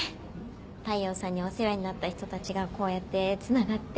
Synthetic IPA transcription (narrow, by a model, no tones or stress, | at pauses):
t̪aio̞ːsãɲ̟ːioseɾaiɲ̟inat̪ːaçi̥t̪o̞t̪at͡ɕiɡako̞ːjat̪ːe̞t͡sɨnaɡat̪ː